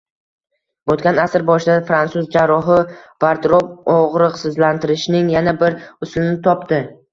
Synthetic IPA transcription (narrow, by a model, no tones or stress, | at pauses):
bot̪̚kʲanasɪɾbɒʃɪd̪afɾantsuzd͡ʒaɾːɒɦɪvaɾd̪ɾɒb̚ɒʁɾɨqsɪzlant̪ʰɪɾɪʃnɪŋjanabɪɾʊslɪnɪt̪ʰɒpt̪ɪ